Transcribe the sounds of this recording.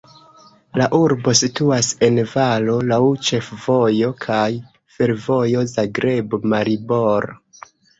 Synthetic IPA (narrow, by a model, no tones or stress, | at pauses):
laʔuɾbo̞situase̞nvalo̞lawt͡ʃe̞fv̥o̞jo̞kʰaj | fe̞ɾvo̞jo̞zaɡɾe̞bmaɾibo̞ɾo